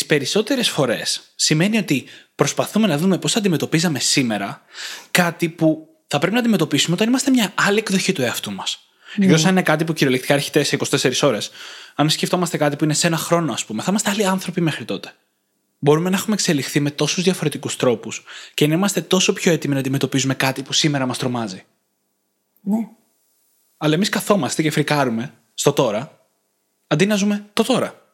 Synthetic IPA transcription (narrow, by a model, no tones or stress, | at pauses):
ispe̞ɾiso̞t̪e̞ɾe̞sfo̞ɾe̞sːime̞nio̞t̪ipɾo̞spɐθume̞nɐðume̞po̞sθɐnd̪ime̞t̪o̞pizɐme̞sime̞ɾɐkɐt̪ipu | θɐpɾep̬inɐnd̪ime̞t̪o̞pisumeo̞t̪ɐnimɐst̪e̞mɲɐɐliekðo̞çit̪ue̞ɐft̪umɐs | ekðosɐninekɐt̪̬ipuciɾio̞lekt̪i̥kɐɾçi̥t̪eseiko̞st̪ese̞ɾiso̞ɾe̞sɐnsce̞ft̪o̞mɐst̪e̞kɐt̪ipuine̞senɐxɾo̞noɐspume̞θɐimɐst̪eɐliɐnθɾo̞pime̞xɾit̪o̞t̪e̥ | bo̞ɾume̞nɐexumekse̞lixθime̞t̪o̞suzðʝɐfo̞ɾe̞t̪ikust̪ɾo̞puscenɐimɐst̪e̞t̪o̞so̞pço̞e̞t̪iminɐːnd̪ime̞t̪o̞pizume̞kɐt̪ipusime̞ɾɐmɐst̪ɾo̞mɐzi | ne | ɐlɐe̞miskɐθo̞mɐst̪ecefɾikɐɾume̞ | st̪o̞t̪o̞ɾɐ | ɐnd̪inɐzume̞t̪o̞t̪o̞ɾɐ